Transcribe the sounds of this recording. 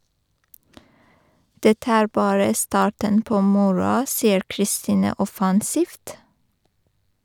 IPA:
ˈdɛtə ˈæːɹ ˈbɑːɹə ˈstɑːʈən ˈpoː ˈmʊɹʊɑ ˈsiːəɾ kɾɪˈstiːnə ˈɔfɑnsiːft

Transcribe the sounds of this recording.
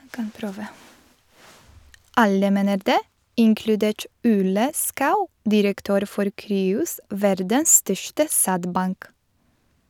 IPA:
ˈɑlə ˈmeːnəɾ ˈdeː ˈɪŋklʉˌdeːʈ ˈuːlə ˈskɑʉ ˈdɪɾəkˌtøːɾ ˈfɔɾ ˈkɾyːʊs ˈʋæɾdəs ˈstœʃʈə ˈsædˌbɑŋk

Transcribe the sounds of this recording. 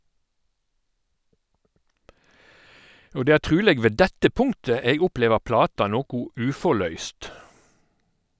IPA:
ˈoː ˈdeː ˈæː ˈtʁʉːleːɡ ˈʋeː ˈdɛtə ˈpʊŋtə ˈeːɡ ˈʊˌpleːʋəʁ ˈplɑːtɑ ˈnoːkʊ ˈʉːfɔʁˌlœʏst

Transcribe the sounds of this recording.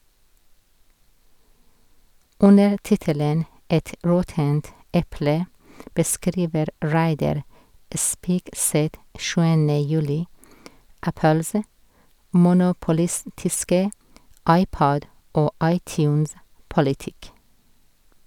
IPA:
ˈʉnəɾ ˈtɪtələn ˈɛt ˈɹɔtənt ˈʔɛplə bəˈskɾiːʋəɾ ˈɹæɪdɑɾ ə ˈspiːɡˌsɛt ˈʃʉːənə ˈjʉːlɪ ˈʔæpəlsə mʊnʊpʊˈlɪstɪskə ˈɑɪˌpɔd ˈʔoː ˈʔɑɪˌtjʉːnspɔlɪˌtɪk

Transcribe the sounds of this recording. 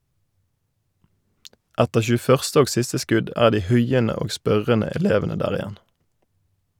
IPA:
ˈɛtəʁ çʉːˈfœʁstə ˈoːɡ ˈsɪstə ˈskʉd ˈæː ˈdiː ˈhʉɪənə ˈoː ˈspœʁənə ɛˈleːʋənə ˈdæːʁ ɪˈjɛn

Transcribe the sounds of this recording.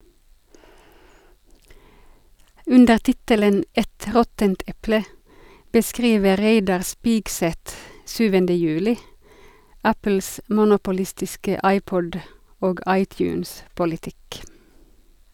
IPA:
ˈʉndəʁ ˈtɪtələn ˈɛt ˈʁɔtənt ˈɛplə bəˈskʁiːʋə ˈʁeɪdɑʁ ˈspiːɡsɛt ˈʃyːʋəndə ˈjʉːlɪ ˈæpl̩s mʊnʊpʊˈlɪstɪskə ˈʔɑɪˌpɔd ˈoːɡ ˈʔɑɪˌtjʉːnspʊlɪˌtɪk

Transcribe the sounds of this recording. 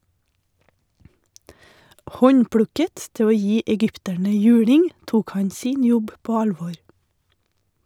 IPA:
ˈhɔɲˌpɽʉkət ˈtɪ ˈoː ˈjiː ɛˈɡʏptæɳə ˈjʉːɽɪŋ ˈtuːk ˈhɑɲ ˈsiːn ˈjɔb ˈpoː ˈɑlʋɔɾ

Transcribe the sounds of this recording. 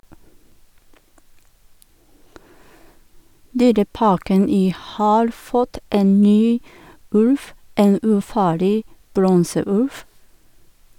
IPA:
ˈdyːɾəˌpɑːkən ˈiː ˈhɑːɾ ˈfɔt ˈeːn ˈnyː ˈʉlf ˈeːn ʉːˈfɑːɭɪ ˈbɾɔnsəˌʉlf

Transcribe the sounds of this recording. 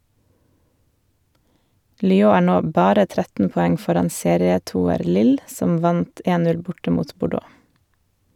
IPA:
lʏˈoː ˈæː ˈɳoː ˈbɑːɾə ˈtɾɛtn̩ pɔˈɛŋ ˈfɔɾɑn ˈseːɾɪəˌtuːəɾ ˈlɪl ˈsɔm ˈʋɑnt ˈeːn ˈnʉl ˈbʊʈə ˈmuːt bʊˈɖoː

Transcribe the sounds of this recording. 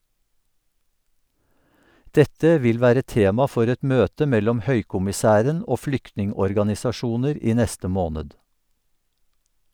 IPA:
ˈdɛtə ˈʋɪl ˈʋæːɾə ˈteːmɑ ˈfɔɾ ˈɛt ˈmøːtə ˈmɛlɔm ˈhœʏkʊmɪˌsæːɾən ˈoː ˈflʏktnɪŋɔɾɡɑnɪsɑˌʃuːnəɾ ˈiː ˈnɛstə ˈmoːnəd

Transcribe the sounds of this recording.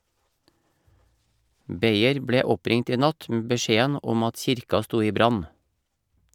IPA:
ˈbeɪəɾ ˈbɽeː ˈɔˌpɾɪŋt ˈiː ˈnɑt m̩ bəˈʃeːən ˈɔm ˈɑt ˈçɪɾkɑ ˈstuː ˈiː ˈbɾɑn

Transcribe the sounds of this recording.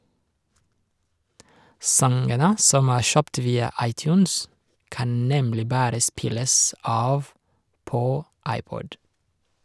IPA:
ˈsɑŋɡənə ˈsɔm ˈæː ˈʃœpt ˈʋiːɑ ˈɑɪˌtjʉːns ˈkɑn ˈnɛmlɪ ˈbɑːɾə ˈspɪləs ˈɑːʋ ˈpoː ˈɑɪˌpɔd

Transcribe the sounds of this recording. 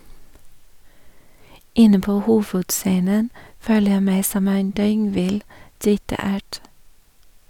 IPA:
ˈɪnə ˈpoː ˈhuːʋʉdˌseːnən ˈføːlə ˈjæɪ ˈmæɪ ˈsɔm ˈeːn ˈdœʏŋˌʋɪl ˈɖiːtɑ ˈæːʈ

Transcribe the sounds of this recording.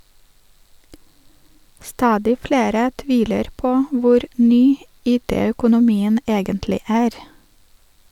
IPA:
ˈstɑːdɪ ˈfleːɾə ˈtʋiːləɾ ˈpoː ˈʋʊɾ ˈnyː ˈiːˌteːœkʊnʊˌmiːən ˈeːɡəntlɪ ˈæːɾ

